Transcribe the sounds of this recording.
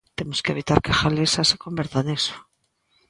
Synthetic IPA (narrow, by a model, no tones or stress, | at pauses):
t̪emoskeβ̞it̪aɾkaxalesasekombeɾt̪aneso̥